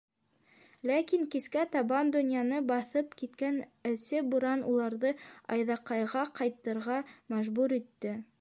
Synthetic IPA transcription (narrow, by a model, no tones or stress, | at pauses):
lækiŋkiskæt̪ɑbɑnd̪ŏnʲjɑnɤbɑθɤpkit̪kænɘ̆sɘbuɾɑnulˠɑɾðɤɑjðɑqɑjʁɑqɑjt̪ːɤ̆ɾʁɑmæʒbuɾit̪ːɘ